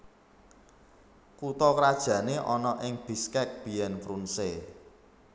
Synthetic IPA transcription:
kut̪ɔkɾad̥ʒ̥ä̤neʔɔnɔʔɪŋb̥i̤skɛk̚b̥i̤jɛnfɾunse

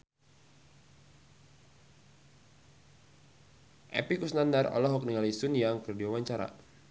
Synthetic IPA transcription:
ʔɛ̰pikusnandarɔ̰lɔɦɔk̚niŋalisunjaŋkərdiwawaɲt͡ʃaɾa̰

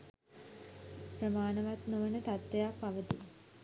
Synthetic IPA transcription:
pɾəmaːnəʋat̪nuʋənət̪at̪ʋejapaʋət̪i

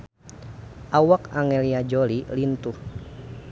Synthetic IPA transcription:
ʔawakaŋɛliad͡ʒɔlilint̪uh

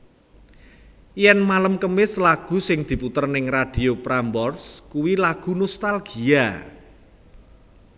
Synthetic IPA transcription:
jɛnmaləmkəmɪslaɡ̥ṳsɪŋd̪̥i̤put̪ərnɪŋrad̥i̤opɾambɔrskuwilaɡ̥ṳnɔst̪alɡ̥i̤a

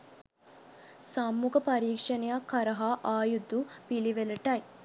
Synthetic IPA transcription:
samːukɐpɐɾiːkʂɐnejakːɐɾɐɦaʔaːjud̪ːupiliʋelɐʈɐj

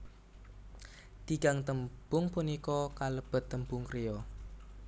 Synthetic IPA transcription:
t̪iɡaŋt̪əmb̥ʊŋpunikɔkaləb̥ə̤t̪ːəmbʊŋkɾejɔ

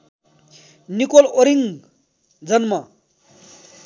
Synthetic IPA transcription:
nikoloɾiŋ | d͡zʌnmʌ

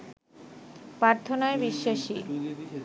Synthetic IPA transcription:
paɾt̪ʰonaebiʃːaʃi

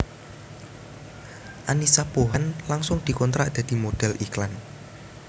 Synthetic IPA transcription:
ʔanisapoɦanlaŋsʊŋd̪̥i̤kɔnt̪ɾaʔd̪̥a̤d̪̥i̤mod̪̥ɛ̤lʔiklan

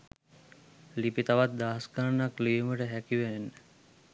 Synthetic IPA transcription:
lipit̪aʋat̪̚d̪aɦskaɾnakliəməʈəɦækiʋenːə

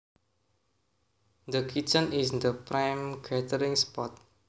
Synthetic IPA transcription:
d̪əkʰit͡ʃə̃nisd̪əpɾajmɡad̪əɾĩŋspɔt̪̚

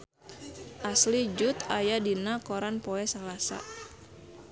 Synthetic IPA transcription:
ʔaslid͡ʒut̪ajadinakɔɾanpɔɛsalasa̰

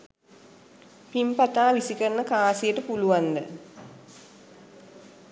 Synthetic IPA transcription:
pimpɐt̪aːʋisikɐɾɐnɐkaːsijəʈəpuluʋand̪ə

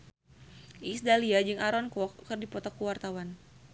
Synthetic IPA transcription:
ʔisdaliad͡ʒɨŋaɾɔnkɔkɨrdipɔt̪ɔkuwart̪awan

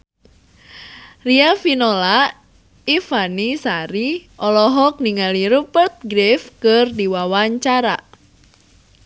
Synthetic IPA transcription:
riafinola | ifanisaɾiʔɔlɔɦɔk̚niŋaliɾubərt̪̚ɡɾefkɨrdiwawaɲt͡ʃaɾa

